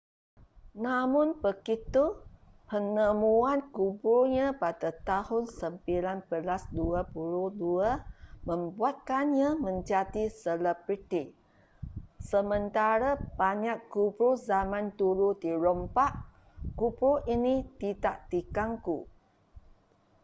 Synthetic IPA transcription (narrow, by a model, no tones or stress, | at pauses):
namʊnpəkit̪u | pənəmuankubuɲapadat̪ahʊnsəmpilanbəlasduapuluduamə̃mbuat̪̚kanɲãmə̃ɲd͡ʒadisələbɾit̪i | səmənt̪aɾab̥aɲakːubɾozamãnt̪uɾud̪iɾɔmpaʔ | kubɾoʔinit̪idaʔt̪ikaŋkṵ